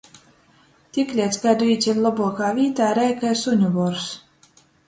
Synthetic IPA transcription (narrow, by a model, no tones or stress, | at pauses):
t̪ʲiklʲiɛt̪sɡad̪uiːt̪sʲilʲlˠɔbuɔkaːvʲiːt̪aːɾɛjkajsuɲʲubɔɾs